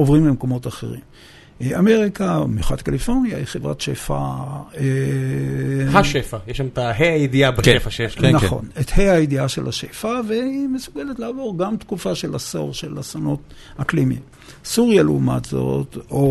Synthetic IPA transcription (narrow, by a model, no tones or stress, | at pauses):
ovʁimbemko̞mo̞taχḛʁḭm | ame̞ʁikamjuχatkalifo̞ʁnijaiχevʁa̰tʃefa̰e | haʃefajeʃamt̪aɦeajid̪iabeʃefaʃefnaχo̞̰netheajidiaʃḛlhaʃefaveimesuɡeletleavo̞ʁɡamt̪kufaʃelaso̞̰ʁʃelasanot | haklimḭm | suʁjaleuma̰tz̥o̞̰to